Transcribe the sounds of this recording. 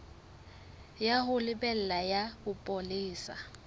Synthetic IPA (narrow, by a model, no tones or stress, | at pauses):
jaɦʊlɪbɛl̩lajabʊpʼoliːsa̰